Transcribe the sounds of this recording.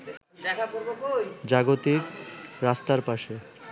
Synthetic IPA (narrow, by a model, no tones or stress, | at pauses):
ɛkakoɾokojd͡ʑaɡot̪ikɾast̪aɾpaʃe